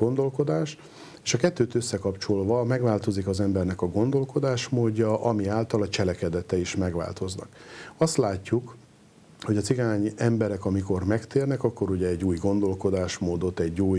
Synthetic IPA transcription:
ɡo̞nd̪o̞lko̞d̪aːʃ | eːʃɒkɛt̪ːøːt̪øsːɛkɒpt͡ʃo̞lvɒmɛɡʋaːlt̪o̞zikɒzɛmbɛrnɛkɒɡo̞nd̪o̞lko̞d̪aːʃmoːɟːɒʔɒmiaːlt̪ɒlɒt͡ʃɛlɛkɛd̪ɛt̪ɛiʃmɛɡʋa̰ːlt̪o̞znɒ̰kɒst̪laːcːuk | ho̞ɟɒt̪siɡaːɲɛmbɛɾɛkɒmiko̞rmɛkt̪eːrnɛkɒkːo̞ɾuɟɛːɟːuːjɡo̞nd̪o̞lko̞d̪aːʃmoːd̪o̞t̪ːɛɟːuːj

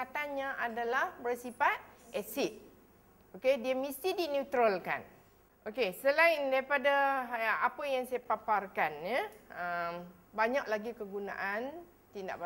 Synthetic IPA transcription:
at̪anɲãʔadalahbərsipat̪̚ɛsit̪̚ | okediəmist̪idinut̪ɾəlka̰n | ʔokesəlaɪndaɾipadaapəjaŋsajapaparkanɲəəm | baɲak̚laɡikəɡuna̰ʔan | t̪inda̰ʔba

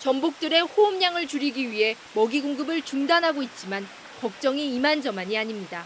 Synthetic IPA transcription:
t͡ɕʌmbok̚t͈ɯɾe̞ɸoɯmɲaŋɯɭt͡ɕuɾiɡiɥiɦe̞ | mʌɡiɡoŋɡɯbɯɭt͡ɕuŋdanɦaɡoit̚t͡ɕ͈iman | kʌk̚t͡ɕ͈ʌŋiːmand͡ʑʌmaɲiaɲimɲida

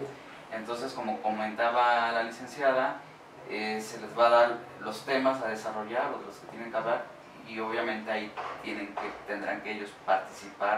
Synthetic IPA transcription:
e̞nt̪o̞ns̬e̞sko̞mo̞ko̞mẽ̞nt̪aβalalise̞nsjaða | ese̞le̞zβaðaɾ | lo̞st̪e̞masað̞e̞saro̞ʝaɾoðe̞lo̞ske̞t̪je̞ne̞ŋkeaβlaɾ | io̞β̞jamẽ̞nt̪e̞ait̪je̞nẽ̞ŋket̪end̪ɾa̰ŋkeeʝo̞spaɾt̪isipa

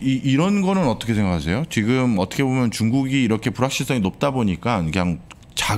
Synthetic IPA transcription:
iiɾʌnɡʌnɯnʌt͈ʌkʰesʰŋɡakʰas̬ʰe̞jot͡ɕiɡɯmʌt͈ʰʌkʰebomjʌnt͡ɕuŋɡuɡiːɾʌkʰe̞puɾɦak̚ɕ͈ʰins͈ʌŋinop̚t͈aboɲik͈ankɯɲaŋ | t͡ɕa

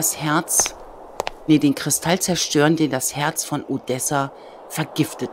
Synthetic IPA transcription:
shɛɐt͡s | neːdeːnkʁ̥ɪstʰalt͡sɛɐʃtøːʁəndeːndashɛɐt͡sfɔnʔodɛsa | fɛɐɡɪftət

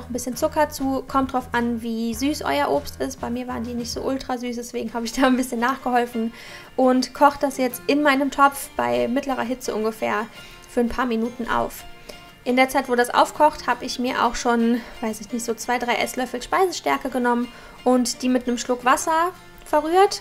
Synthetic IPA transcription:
nɔχn̩bɪsçənt͡sʊkɐt͡suːkʰɔmt̚d̥ʁaʊfʔanviːzyːsʔɔ̰ʏɐʔoːpstɪstb̥aɪmiːɐvaːʁəndiːnɪçtz̥o̰ːʔʊltʁ̥azyːsd̥ɛsv̥eːɡŋ̩haːbəɪçd̥aːnbɪsçənːaːχɡ̥əhɔlfn̩ | ʔʊntkʰɔχəd̥asjɛt͡stʔɪnmaɪnəmtʰɔp͡fb̥aɪmɪtləʁ̞ɐɦɪt͡səʔʊnɡəfɛːɐ | fyːɐnpʰaːɐminuːtn̩ʔa̰ʊf | ʔɪndeːɐt͡saɪtv̥oːdasʔa̰ʊfkʰɔχthaːbəɪçmiːɐʔa̰ʊxʃoːnv̥aɪsɪçnɪçtz̥oːt͡sv̥aɪdʁaɪʔɛslœfl̩ʃpaɪzəʃtɛɐkəɡənɔmən | ʔʊntd̥iːmɪtnəmʃlʊkv̥asɐ | fɛɐʁyːɐt

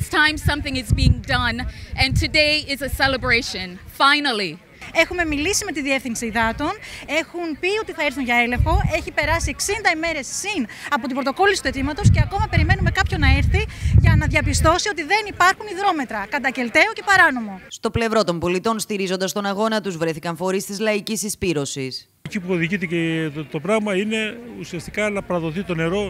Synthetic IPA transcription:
stʰãɪ̃msɐ̃mθɪ̃ŋɪzbiɪ̃ŋdɐ̃nɨ̃ntʰɨdeɪɪzəsɛlˠəbɹeɪʃɨ̃nfãɪnl̩ˠi | e̞xume̞milisime̞t̪iðiefθinksiðɐt̪o̞ne̞xunpio̞t̪iθɐeɾθunʝɐe̞lefo̞ʔe̞çipe̞ɾɐsieksind̪ɐime̞ɾe̞sːinɐpo̞t̪ibɾo̞t̪o̞ko̞lisit̪ue̞t̪imɐt̪o̞sce̞ɐko̞mɐpe̞ɾime̞nume̞kɐpço̞nɐeɾθiʝɐnɐðʝɐpist̪o̞sio̞t̪iðe̞nipɐɾxuniðɾo̞me̞t̪ɾɐkɐt̪ɐce̞lt̪e̞oce̞pɐɾɐno̞mo̞st̪o̞ple̞vɾo̞t̪o̞mbo̞lit̪o̞nst̪iɾizo̞nd̪ɐst̪o̞nɐɣo̞nɐt̪uzvɾe̞θikɐɱfo̞ɾist̪izlɐicisispiɾo̞sis | ecipuoðiʝit̪ecet̪o̞pɾɐɣmɐine̞usiɐst̪ikɐnɐpɐɾɐðo̞θit̪o̞ne̞ɾo̞

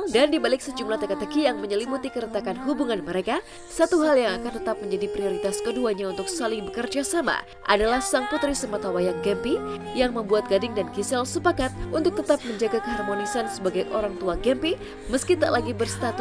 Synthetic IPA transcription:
dandibalɪksəd͡ʒumlaht̪ekat̪əkijaŋməɲəlimut̪ikəɾət̪akanɦubuŋanməɾeka | sat̪uɦaljaŋakant̪ət̪ap̚məɲd͡ʒadipɾioɾit̪askəduaɲaunt̪ʊksalɪŋbəkərd͡ʒasama̰ | ʔa̰dalahsaŋput̪ɾisəmat̪awajaŋɡɛmpi | jaŋməmbuat̪̚ɡadɪŋdankisɛlsəpakat̪̚unt̪ʊk̚t̪ət̪ap̚məɲd͡ʒaɡakəɦarmonisansəbaɡajʔoɾaŋt̪uaɡɛmpi | məskit̪aʔlaɡibərst̪at̪u

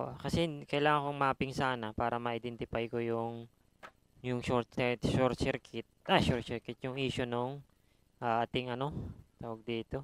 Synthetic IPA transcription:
ʔo̰kɐsɛkɐjlaːŋɐŋkoŋmaːpɪŋsaːnɐpaːɾɐmɐʔɪd̪ɛnt̪ɪpajkojʊŋ | jʊŋʃoɾt̪̚sɛt̪ʃoɾsɛɾkʰɪt̪̚ʔaʃosɛɾkɪt̪̚jʊŋʔiːʃonoŋ | ʔaʔat̪ɪŋɐno̞t̪awɐɡ̚d̪iːt̪o̞

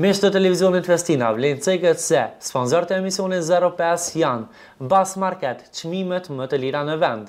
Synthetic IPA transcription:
miʃt̪ət̪ɛlɛvizjɔnit̪fɛst̪inavlɛnt͡sɛkɛt̪sɛspɔnsɔɾət̪ɛɛmisiɔnɛzɛɾɔpɛsjan | basmaɾkɛt̪t͡ʃmimɛt̪mət̪əliɾanəvɛnd̪

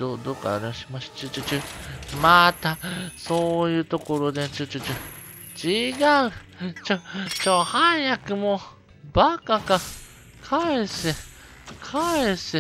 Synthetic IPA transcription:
od̪oːka̰ɾeõɕimaɕi̥t͡ɕɨt͡ʃɨt͡ʃɯmat̪asoːjɯ̟ːt̪o̞ko̞ɾo̞d̪et͡ɕɨt͡ʃɨt͡ʃɨ | t͡ɕiɡaɯ̟ | t͡ʃot͡ɕohãɰjakɯ̟mo | bakaka | kʰaese | kʰaese

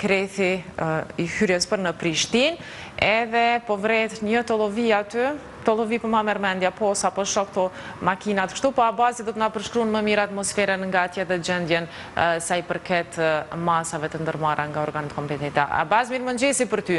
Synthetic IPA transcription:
kɾɛθi | ihyɾjəspəɾnəpɾiʃt̪in | ɛðɛpɔvɾɛt̪ɲət̪ɔlˠɔviat̪y | t̪ɔlˠɔvipəmamɛɾmɛnd̪japɔsapɔʃɔkt̪ɔ | makinat̪kʃt̪upɔabazid̪ɔt̪ənapəɾʃkɾunməmiɾat̪mɔsfɛɾənŋɡat̪jɛɛðɛd͡ʒɛnd̪jɛn | sajipəɾkɛt̪masavɛt̪ənd̪əɾmaɾaŋɡaɔɾɡanət̪kɔmpɛt̪ɛt̪a̰a̰bazmiɾmənd͡ʒɛsipəɾt̪y

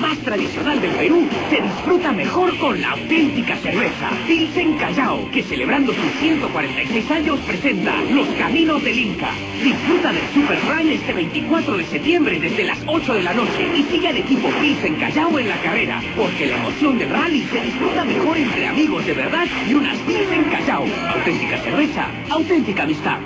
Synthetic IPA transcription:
mast̪ɾaðisjo̞nald̪e̞lpe̞ɾuse̞ðisfɾut̪ame̞xo̞ɾko̞nlaa̰wt̪e̞nt̪ikase̞ɾβe̞sa̰filseŋkaʝaoke̞se̞le̞β̞ɾand̪o̞susθje̞nt̪o̞kwaɾe̞nt̪ajsejsaɲo̞spɾe̞se̞nt̪a̰lo̞skamĩno̞zðeliŋka̰ | d̪isfɾut̪aðe̞lsupe̞ɾrrajlest̪e̞βejnt̪ikwat̪ɾoð̞e̞set̪je̞mbɾeðe̞zðelaso̞t͡ʃoðe̞lano̞t͡ʃe̞̰isiɣeale̞kipo̞filse̞ŋka̰ʝawe̞nlakare̞ɾa̰po̞ɾkelaemo̞̰θjo̞nd̪elralise̞ðisfɾut̪ame̞xo̞ɾe̞nt̪ɾea̰miɣ̞o̞zðe̞βe̞ɾðaðiuna̰sfilse̞ŋkaʝawa̰wt̪e̞nt̪ikase̞ɾβe̞sa̰ | awt̪e̞nt̪ikamist̪a̰ð

